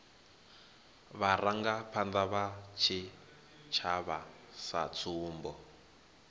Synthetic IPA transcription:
βaraŋɡapʰand̪aβat͡ʃʰi | t͡ʃʰaβa | sa̰t͡sʰuːmbɔ

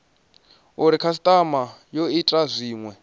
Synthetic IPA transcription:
uɾikʰas̬i̥t̪ʼamajoitʼazʷiːŋwɛ

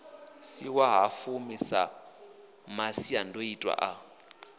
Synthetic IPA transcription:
siwaɦafumisa̰ | masiandʱoitʼwa̰ʔa

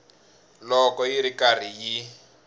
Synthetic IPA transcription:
lɔkɔjiɾikar̤iji

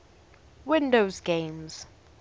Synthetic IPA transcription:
wɪ̃ndozɡẽmz̥

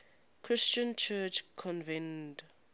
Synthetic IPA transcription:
kʰɹist͡ʃə̃nt͡ʃʰɛt͡ʃkʰɔ̃nvɛ̃nd

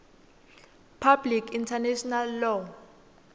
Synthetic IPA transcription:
pʰablikʰintʰanɛʃɔnalːɔ

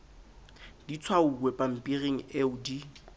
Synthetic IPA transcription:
dit͡sʰwauwɛpʼam̩pʼireŋ̩eʊdi

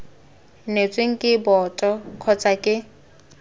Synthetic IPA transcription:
net͡sʼweŋ̩kʼɪbɔtʼɔkʰɔt͡sʼakʼɪ

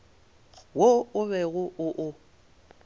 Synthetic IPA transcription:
woʊβɛɣʊʔʊʔʊ

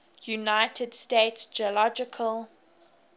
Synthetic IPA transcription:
junaɪtʰəd̥steɪtsd͡ʒiəlɔd͡ʒɪkʰəl

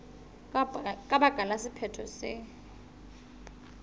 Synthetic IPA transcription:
kʼaɓaɡ̥ʱalasipʰɛtʰɔsɪ

